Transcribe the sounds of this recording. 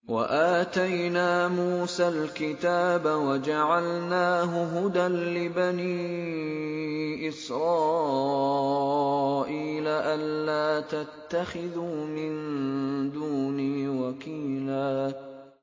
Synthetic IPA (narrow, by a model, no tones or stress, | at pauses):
wa̰ʔaːt̪ajnaːmuːsalkɪt̪aːbawad͡ʒaʕalnaːɦʊɦʊd̪anlɪbaniː | ʔɪsɾˤɑː | ʔiːlaʔalːaːt̪at̪ːaxɪðuːmɪnd̪uːniːwakiːlaː